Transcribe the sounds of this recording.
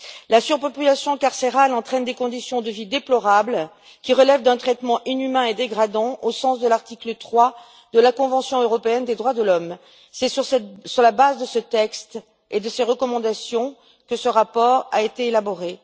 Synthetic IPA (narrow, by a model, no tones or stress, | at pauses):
lasyʁpɔpylasjɔ̃kaʁseʁalɑ̃t̪χɛnd̪ekɔ̃d̪isjɔ̃d̪əvid̪eplɔʁabl | kʲiʁəlɛvd̪ɛ̃t̪χɛt̪mɑ̃ʔinymɛ̃ed̪eɡʁad̪ɑ̃ʔosɑ̃sd̪əlaʁt̪iklət̪χwa | d̪əlakɔ̃vɑ̃sjɔ̃øʁɔpeɛnd̪ed̪ʁwad̪əlɔm | sɛsʁsɛsyʁlabazd̪əsət̪ɛkst̪ | ed̪əseʁəkɔmɑ̃d̪asjɔ̃ | kəsəʁapɔʁaet̪eelabɔʁe